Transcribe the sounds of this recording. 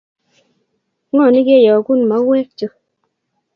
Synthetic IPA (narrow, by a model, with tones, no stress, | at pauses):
ŋɔ˦˨ni˦ke˦˨jɔ˨ku˦˨nma˨˦wɛ˦k̚t͡ʃo˦